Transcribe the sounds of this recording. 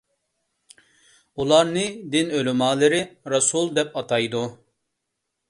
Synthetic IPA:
ulˠɑɾnɨd̪inølymɑːlˠɨɾɪɾɑsulˠd̪ɛpɑt̪ʰɑjd̪u

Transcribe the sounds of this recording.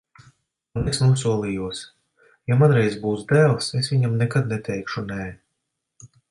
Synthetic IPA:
unɛksnuɔsuɔlˠijuɔs | jamanɾɛjzbuːsd̪æːlˠsesvʲiɲamnɛkad̪nɛt̪ʰɛjkʃunɛː

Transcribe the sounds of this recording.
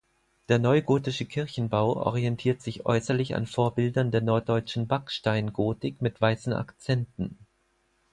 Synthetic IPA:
d̥eːɐnɔʏɡoːtɪʃəkʰɪɐçn̩baʊʔɔ̰ʁ̞iɛntʰiːɐtz̥ɪçʔɔ̰ʏsɐlɪça̰nfoːɐbɪldɐndeːɐnɔɐt̚d̥ɔʏt͡ʃn̩bakʃtaɪnɡoːtɪkmɪtv̥aɪsn̩ʔa̰kt͡sɛntn̩

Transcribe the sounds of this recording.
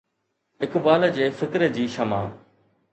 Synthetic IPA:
ɪkbaːləd͡ʑeːfɪkɾəd͡ʑiːʃɐma̰ː

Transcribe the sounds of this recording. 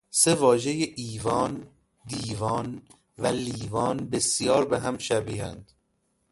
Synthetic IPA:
sevɒːʒe̞jeʔiːvɒːn | d̪iːvɒːn | væliːvɒːnbesjɒːɾbeɦæmʃæbiːhæ̰nd̪̥

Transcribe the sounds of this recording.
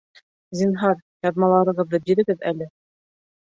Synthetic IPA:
zinɦɑɾjɑðmɑlˠɑɾɤ̆ʁɤðɤbiɾɘ̆ɡɘðælɘ

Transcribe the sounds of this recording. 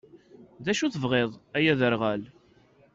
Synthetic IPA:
ðæʃuθəvʁeðˤæjæðəɾʁæl

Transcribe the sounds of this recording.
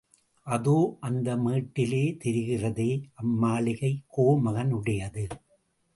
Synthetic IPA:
ʔɐðoːʔɐnd̪ɐmiːʈːɪleːt̪ɛɾɯɣɪrɐðeːʔɐmːaːɭɪɣɐɪkːoːmɐɣɐnʊɽɐjɐðɯ

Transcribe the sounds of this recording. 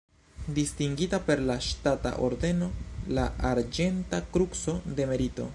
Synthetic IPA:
distiŋɡitape̞ɾlaʃtata̰ʔo̞̰ɾde̞no̞laaɾd͡ʒe̞ntakɾukso̞de̞me̞ɾito̞̰

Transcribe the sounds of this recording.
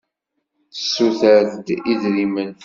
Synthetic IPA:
θə̥sːuθəɾðd̪iðɾimən

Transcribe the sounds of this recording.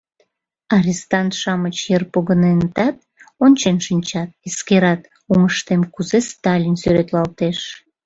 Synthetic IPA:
ɑɾʲist̪ɑnt̪ʃɑmət͡ɕjerpoɣənent̪ɑt̪ | ont͡ɕenʃinʲt͡ɕɑt̪̚eskeɾɑt̪ | uŋəʃt̪emkuzest̪ɑlʲinsyɾet̪lɑlt̪eʃ

